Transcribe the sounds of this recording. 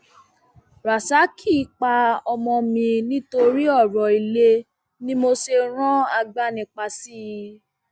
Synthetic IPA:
ɾa˨sa˨˦kʰi˦˨˧k͡pa˧ɔ˧mɔ̃˧mĩ˧nĩ˦to˧ɾi˦ɔ˦˨ɾɔ˨i˨le˧ | nĩ˦mo˧se˧ɾ̃ɔ̃˦a˧ɡ͡ba˦nĩ˧k͡pa˧si˦ji˧

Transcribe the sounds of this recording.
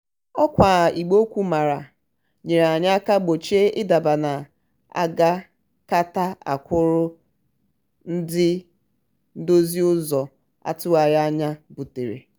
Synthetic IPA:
ɔ˦kʷa˨i˨ɡ͡bo˦kʷu˦ma˨ɾa˨ | ɲe˨ɾa˨ɲa˦a˦ka˦ɡ͡bo˨t͡ʃe˦ɪ˦da˨ba˨na˨ | a̰˦ɡa˦ | ka˦ta˦a̰˨kʷʊ˦ɾʊ˦ | n̩˦dɪ˦ | n̩˦do˦zi˦ʊ˦zɔ˨ | a̰˦˨tʊ˦wa˨ɾa˦ɲa˦bu˨te˨ɾḛ˨

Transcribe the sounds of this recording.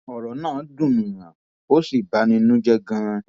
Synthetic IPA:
ɔ˨ɾɔ˨˦nãː˦˨˦dũ˦˨nũ˨ŋã˨ | o˦si˦˨ba˨˦nĩ˧nũ˦d͡ʒɛ˦ɡã˧

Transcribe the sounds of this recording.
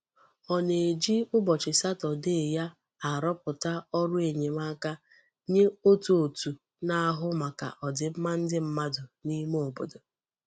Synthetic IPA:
ɔ˨ne˨e˨d͡ʒi˦ʊ˦bɔ˨t͡ʃɪ˨sa˦tɔ˨de˦˨ja˦ | a˨ɾɔ˦pʊ˨ta˦ɔ˦ɾʊ˦e˨ɲe˨ma˦ka˦ | ɲe˦o˦tu˨o˨tu˨ | na˦a˦ɦʊ˦ma˨ka̰˨ʔɔ˨dɪ˨m̩˦ma˦n̩˦dɪ˦m̩˦ma˦dʊ˨ni˦m˦o˨bo̰˨do˨

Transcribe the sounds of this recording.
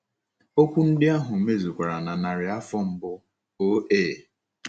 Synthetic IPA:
o˦kʷu˦n̩˦dɪ˦a˦ɦʊ˨˦me˦zu˨kʷa˨ɾa˨na˨na˨ɾɪ˨a˦fɔ˦m̩˦bʊ˦ | o˦eː˦˨

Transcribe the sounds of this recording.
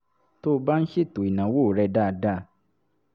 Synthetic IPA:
to˦˧ba˦n̩˦ʃe˦˨to˨i˨nã˨wo˦˨ɾɛ˧da˦˧da˦˧

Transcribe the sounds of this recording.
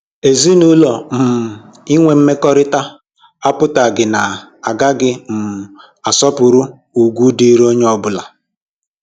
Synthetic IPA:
e˨zi˦nu˦lo˨m̩˨ | i˦ŋʷe˨m̩˦me˦kɔ˦ɾɪ˦ta˦ | a˦pʊ˦ta˨ɡɪ˨na˨a˨ɡa˦ɡɪ˦m̩˨ | a˨sɔ˦pʊ˨ɾu˦ | u˨ɡʷu˦di˦ɾo˦ɲe˦ɔ˦bʊ˦la˨

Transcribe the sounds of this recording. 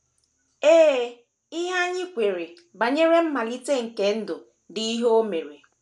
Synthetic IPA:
eː˦˨ | i˦ɦa˦ɲɪ˦kʷe˨ɾe˨ | ba˨ɲe˦ɾe˦m̩˦ma˨li˦te˦ŋ̩˨ke˦n̩˦dʊ˨ | dɪ˨˦i˦ɦo˦me˨ɾe˨

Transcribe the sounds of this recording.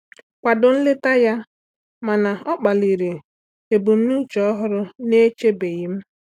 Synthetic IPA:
kʷa˨dʊ˨n̩˦lɪ˦ta˦ja˦ | ma˨na˨ɔ˦k͡pa˨li˨ɾe˨ | e˨bu˨m̩˦nu˦t͡ʃɔ˦ɔ˦ɦʊ˦ɾʊ˦ne˦t͡ʃe˦be˨ɣɪ˦m̩˦

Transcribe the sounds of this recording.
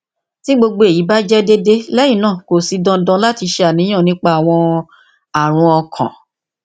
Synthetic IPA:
ti˦ɡ͡bo˧ɡ͡bo˧e˨ji˨˦ba˦d͡ʒɛ˦de˦de˦lɛ˦jĩ˦˨nãː˦˨ko˨si˨˧dã˧dã˧˦la˦ti˧ʃe˧a˨nĩ˨˦ã˦˨nĩ˦k͡pa˦a˨w̃ɔ̃˧ | a˨ɾ̃ũ˧ɔ˧kʰã̰˨

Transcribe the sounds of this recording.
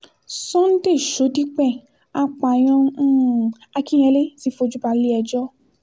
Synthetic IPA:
sɔ̃˦n̩˦te˦˨ʃo˨˦di˦k͡pɛ˦˨ | a˧˨k͡pa˨j̃ɔ̃˧˦ | a˧kĩ˦j̃ɛ̃˧le˦si˦fo˧d͡ʒu˦ba˧le˦ɛ˧d͡ʒɔ˦

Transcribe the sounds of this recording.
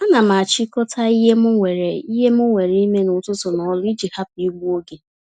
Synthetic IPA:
a˦na˨ma˨a˨t͡ʃi˦kɔ˦tʰa˦i˦ɦe˦mʊ˦ŋʷe˨ɾe˨i˦ɦe˦mʊ˦ŋʷe˨ɾi˦me˦nʊ˨tʊ˦tʊ˨nɔ˨ɔ˦lʊ˦i˦d͡ʒi˨ha˦pi˦ɡ͡bu˦o˦ɡe˨

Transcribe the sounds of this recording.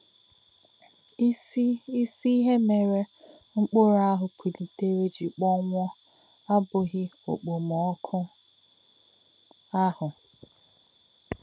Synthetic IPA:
i˦si˦i˦ɦe˦me˨ɾe˦ | ŋ͡m̩˦k͡po˦ɾa˦ɦʊ˨kʷi˨li˨te˦ɾe˦d͡ʒi˨k͡pɔ˦ŋʷɔ˦ | a˦bʊ˨ɣɪ˦o̰˨k͡po˨m˨ɔ˨˦kʰʊ˦ | a˦hʊ˨

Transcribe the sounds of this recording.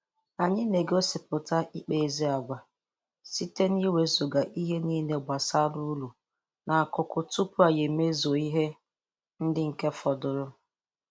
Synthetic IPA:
a˨ɲɪ˦ne˨ɡo˦sɪ˨pʊ˨ta˦ʔi˦k͡pe˨e˨zi˦a˨ɡʷa˨ | si˦te˦ni˦we˨zo˨ɡa˨ʔi˦ɦe˦niː˦ne˨ɡ͡bʷa˨sa˦du˦lu˨ | na˨kʊ˨kʊ˨tu˦pʊ˦a˨je˨me˦zo˨i˦ɦe˦ | n̩˦dɪ˦ŋ̩˨ke˦fɔ˨dʊ˨ɾʊ˦

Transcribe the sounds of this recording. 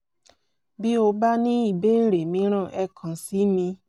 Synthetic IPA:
bi˦o˧ba˦nĩ˦i˨be˦n̩˦ɾe˨mĩ˨˦ɾ̃ɔ̃˦˨ʔɛ˦kʰɔ̃˨si˦mĩ˧

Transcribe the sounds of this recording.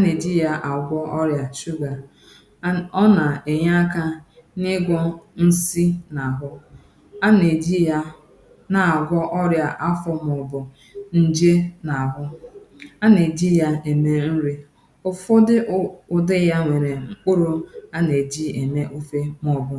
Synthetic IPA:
a˦ne˨d͡ʒi˦ja˦ʔa˨ɡʷɔ˦ʔɔ˦ɾja˨ʃu˦ɡa˨ | ɔ˦na˨e˨ɲa˦a˦ka˦nɪ˦ɡʷɔ˦n̩˦si˦na˨a˨ɦʊ˦ | a˦ne˨d͡ʒi˦ja˦ | na˨a˨ɡʷɔ˦ʔɔ˦ɾja˨ʔa˦fɔ˦mɔ˨bʊ˨ | n̩˦d͡ʒe˦na˨a˨ɦʊ˦ | a˦ne˨d͡ʒi˦ja˦e˨me˦n̩˦ɾi˦ | ʊ˨fo˦dɪ˦ʊ˨dɪ˦ja˦ŋʷe˨ɾe˨ŋ͡m̩˨k͡pʊ˦ɾʊ˦a˦ne˨d͡ʒi˦e˨me˦ʔu˦fe˦mɔ˨bʊ˨

